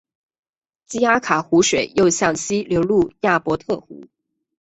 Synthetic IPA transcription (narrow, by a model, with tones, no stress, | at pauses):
t͡ɕi˥a˥kʰa˨˩xu˧˥ʂwe˨˩ɪjo˥˧ʊɕjɑ˥˩ŋɕi˥ljo˧˥ʊlu˥˩ja˥˩pwɔ˧˥t̪ʰɤ˥˩xṵ˧˥